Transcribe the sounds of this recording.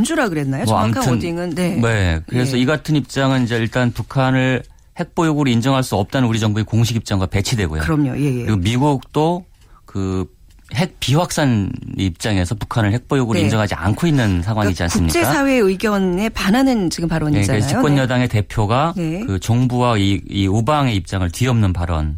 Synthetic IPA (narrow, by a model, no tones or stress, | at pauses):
nd͡ʑuɾaɡɯɾenːajoa̰mʰaɯndiŋɯnene̞kɯɾe̞s̬ʰʌiɡatʰɯnip̚t͡ɕ͈aŋɯnid͡ʑe̞iɭt͈anpukʰanɯɭ | he̞k̚p͈ojoɡuɾoind͡ʑʌŋɦaɭs͈uʌp̚t͈anɯnuɾid͡ʑʌŋbuekoŋɕ̬ʰiɡip̚t͡ɕ͈aŋɡwape̞t͡ɕʰidwe̞ɡo̰jo̰ɯɾʌmɲo̰jejeɯɾiɡomiɡuk̚t͈o | kɯ | he̞k̚piwak̚s͈aneip̚t͡ɕ͈aŋe̞sʰʌpukʰanɯɭhe̞k̚p͈ojoɡuɾoind͡ʑʌŋɦad͡ʑia̰nkʰoinːɯnsʰaŋwaŋid͡ʑia̰nksuɯm̚ɲit͡ɕ͈easʰawe̞ɯiɡjʌne̞pananɯnt͡ɕiɡɯmpaɾwʌɲekɾeikkwʌnjʌdaŋe̞te̞pʰjoɡaekɯt͡ɕʌŋbuwaiiobaŋe̞ip̚t͡ɕ͈aŋɯɭtiʌmnɯnpaɾʌ̰n